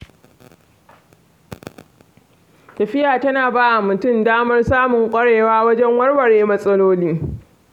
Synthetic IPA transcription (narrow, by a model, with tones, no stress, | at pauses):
tɐ˨ɸɪ˦jaː˨tɐ˦naː˨ba˦ʔa˨mʊ˨tʊ˦˨mdaː˦mɐ˦rsaː˦mʊ˨ŋkʷʼɐ˦ɽeː˨waː˦wɐ˦d͡ʒɛ˦ŋwɐ˦rwɐ˨ɽeː˦mɐ˦sʼɐ˦loː˦liː˦